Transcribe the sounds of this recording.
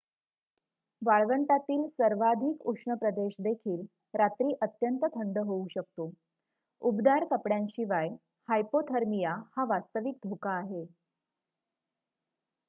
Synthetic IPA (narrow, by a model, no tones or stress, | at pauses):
ʋaɭʋəɳʈ̪at̪iːlsəɾʋad̪ʱiːkukʂɳəpɾəd̪eɕd̪ekʰiːl | ɾat̪ɾiːʔət̪jənt̪ət̪ʰəɳɖəɦouɕək̚t̪o | ubd̪aɾkəpɽjãnɕiʋaj | hajpot̪ʰəɾmijahaʋast̪əʋik̚d̪ʱokaːɦe